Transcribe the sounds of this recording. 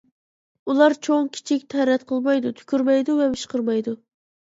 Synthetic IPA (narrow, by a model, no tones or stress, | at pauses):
ulˠɑɾt͡ʃʰoŋkʲʰi̥t͡ʃʰikʲt̪ʰɛɾɛt̪̚qʰəlˠmɑjd̪ut̪ʰy̥kʲyɾmɛjd̪uvɛbɨʃqəɾmɑjd̪u